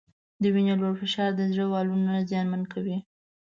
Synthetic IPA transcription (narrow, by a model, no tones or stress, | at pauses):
d̪əwinoloɾfɪʃɑɾd̪əzɽəwɑlunazjɑnmankʰawi